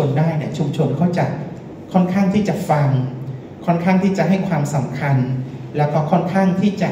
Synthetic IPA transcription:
ndaː˥˩jni˥˩ɐt͡ɕʰu˧mt͡ɕʰo˧nkʰɔ˥˩wt͡ɕa˨˩ | kʰɔ˥˩nkʰaː˥˩ŋt̪ʰiː˥˩t͡ɕa˨˩fa˧ŋ | kʰɔ˥˩nkʰaː˥˩ŋt̪ʰiː˥˩t͡ɕa˨˩ʔɦa˥˩jkʰwaː˧msa˩˦mkʰa˧nlɛː˦˥wkɔː˥˩kʰɔ˥˩nkʰaː˥˩ŋt̪ʰiː˥˩t͡ɕa˨˩

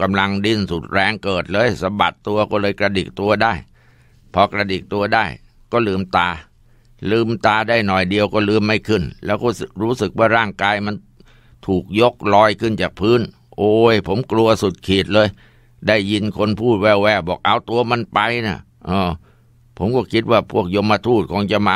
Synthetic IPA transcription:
ka˧mla˧ŋdi˧˥˩nsu˨˩t̪̚ɾɛː˧ŋkɤː˨˩t̪̚lɤː˧jsa˧mba̰˨˩t̪ːu˧ɐkɔː˥˩lɤː˧jkɾa˧dḭ˨˩k̚t̪u˧ɐdaː˥˩j | pʰɔː˧kɾa˧diː˨˩k̚t̪u˧ɐdaː˥˩j | kɔː˥˩lɯː˧mt̪aː˧ | lɯː˧mt̪aː˧daː˥˩jnɔ˨˩jdi˧əwkɔː˥˩lɯː˧˩mːa˥˩jkʰɯ˥˩nlɛː˦˥wkɔː˧˥˩sɾuː˦˥sɯ˨˩k̚waː˥˩ɾaː˥˩ŋkaː˧jma˧n | t̪ʰuː˨˩k̚jo˦˥k̚lɔː˧jkʰɯ˥˩nt͡ɕaː˨˩k̚pʰɯː˦˥n | ʔoː˧˩jpʰo˩˦mklu˧ɐ˧su˨˩t̪̚kʰiː˨˩t̪̚lɤː˧j | daː˥˩jːi˧nkʰo˧npʰuː˥˩t̪̚wɛː˧˩wɛː˦˧˩bɔː˨˩k̚ʔa˧wt̪u˧ɐma˧npa˧jna˧˥˩ | ʔɤː˧˩ | pʰo˨˩˦mkɔː˥˩kʰi˦˥t̪̚waː˥˩pʰu˥˩ək̚jo˧mːa˧t̪ʰuː˥˩t̪̚kʰɔː˧ŋt͡ɕa˧ma˧

